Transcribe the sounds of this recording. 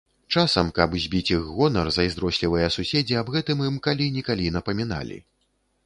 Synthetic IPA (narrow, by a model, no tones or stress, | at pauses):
t͡ʂasɐmkɐbzʲbʲit͡sʲiɣɣɔnɐrzɐjzd̪ɾɔsʲlʲivɨjɐsusʲed͡zʲiabɣɛt̪ɨmɨmkalʲinʲɛkalʲinɐpɐmʲin̪a̰lʲḭ